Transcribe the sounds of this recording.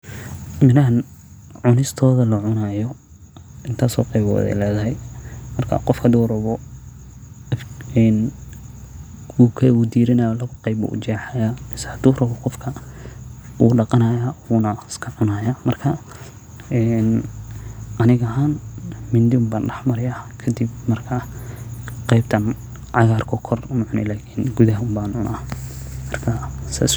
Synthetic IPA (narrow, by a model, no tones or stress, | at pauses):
mɪnɐɦɐn | ʕʊnɪst̪ʰɔːðɐlɐʕʊnajɔ | ɪnt̪ʰaːsɔ̰ːqɛjβɔ̰ːðɛ̰jlɛːðɐɦɛjmɐrkʰɐ̰qɔfkʰɐd̪uːɾɐβɔ | ɛn | ukʰɐʊd̪iːɾɪnajɔlɐɣʊqɛjβɔ̰ṵd͡ʒɛːħajamɪsɛhɐd̪̥uːrɐβɔqɔfkʰɐ | ṵːɖɑqɑnɐːjaːwuːnɐɪskʰɐʕʊnaːjamɐrkʰɐ | ɛn | ʔɐnɪɣɐɦaːnmɪnd̪ɪmbaːnɖɐħmɐɾɪjakʰɐd̪ɪbmɐrkʰɐ | qɑjbt̪ʰɐn | ʕɑɣaːrkʰɔkʰɔrʊmʊʕʊnɛ̰laːkʰiːnɡuðɐɦɐʊmbaːnʊnʔamɐrkʰɐsa̰ːs